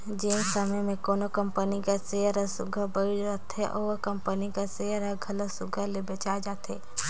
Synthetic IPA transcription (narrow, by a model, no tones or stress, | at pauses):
d͡ʒeːsəməjmẽkoːnokə̃mpənikaseəɾəsʊɡʱəbəiat̪ɛʔɔʋkəmpənikaseəɾəɡʱɐləsʊɡʱəlebet͡ʃaed͡ʒaːt̪ɦɛ̰ː